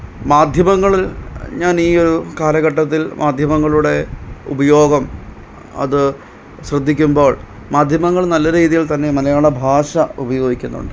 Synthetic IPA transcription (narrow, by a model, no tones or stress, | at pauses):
maːd̪ʱjɐmɐŋːɐɭilɲaːniːo̞ɾukaːlɐɣɐʈːɐt̪̬ːilmʔaːd̪ʱjɐmɐŋːɐɭuɽe̞ṵbɐjo̞ːɡɐm | ɐ̰ðɨ | ɕrɐd̪ːikʲːumbo̞ːɭ | maːd̪ʱjɐmɐŋːɐɭnɐlːɐɾiːðijilt̪ɐnːemɐlɐjaːɭɐbʱaːʂɐubɐjo̞ːɡikʲːunːṵɳɖɨ